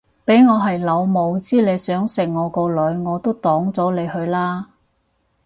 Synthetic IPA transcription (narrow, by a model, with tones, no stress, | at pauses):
pe˨˥jŋɔː˨˧ɦɐ˨jlɐ˨˧wmo˨˧wt͡siː˥le˨˧jsœː˨˥ŋsɪ˨˩ŋŋɔː˨˧kɔː˧lɵ˨˧ɥŋɔː˨˧t̪o˥wt̪ɔː˨˥ŋt͡sɔː˨˥le˨˧jhɵ˧ɥlaː˥